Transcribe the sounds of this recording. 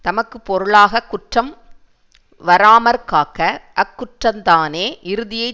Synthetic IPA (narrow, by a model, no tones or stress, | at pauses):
t̪ɐmɐkːɯpːɔɾɯɭaːɣɐkːʊʈrɐm | ʋɐɾaːmɐɾkaːkɐʔɐkːʊʈrɐmt̪aːneːʔɪɾɯðɪjɐɪ